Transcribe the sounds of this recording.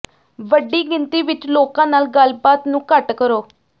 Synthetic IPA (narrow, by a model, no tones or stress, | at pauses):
ʋəɖːiːɡɪnt̪iːʋɪt͡ʃloːkãːnaːlɡəlbaːt̪nũːkəʈkəɾoː